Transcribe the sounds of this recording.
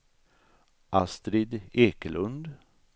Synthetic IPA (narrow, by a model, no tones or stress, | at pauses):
ʔast̪ɾɪd̪eːkəlɵnd̪